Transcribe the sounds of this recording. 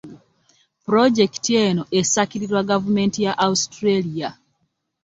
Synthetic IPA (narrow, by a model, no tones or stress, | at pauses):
pɾod͡ʒektieːno̞ʔesakiɾiɾwaɡavume̞ːntijaʔaustɾelija